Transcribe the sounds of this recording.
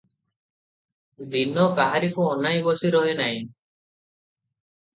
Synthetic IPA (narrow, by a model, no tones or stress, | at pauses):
d̪inɔkaɦaɾikuɔnajbɔsiɾɔɦenaj̃